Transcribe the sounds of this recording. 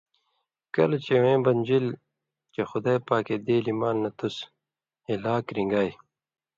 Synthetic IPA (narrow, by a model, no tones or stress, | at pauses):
kɐlt͡ɕewẽːbɐnʲd͡ʑil | t͡ɕexʊd̪aːjpaːked̪eːlimaːlːɐt̪us | elaːkɾĩŋɡaːj